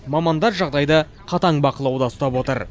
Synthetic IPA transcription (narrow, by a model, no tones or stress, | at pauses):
mɑmɑnd̪ɑɾʒɑʁd̪ɑjd̪ə | qʰɑt̪ɑɴbɑqəlˠɑwd̪ɑst̪ɑpwo̞t̪əɾ